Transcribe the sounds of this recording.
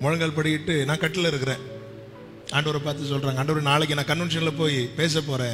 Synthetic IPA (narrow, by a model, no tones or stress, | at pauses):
mɔɻɐŋɡɐɭpɐɽɪjɪʈːɯnãːkɐʈːɪlɪɾɯkːɯɾẽː | aːɳɖɐʋɐɾɐpaːɾt̪̬ɯsɔlraːŋɡɐːɳɖɐʋɐɾɐnaːɭɛk̬ʲːɯnaːkɐnʋɛnʂ̬ɐnɪlɐpoːjpeːs̬ɐp̬oːɾẽː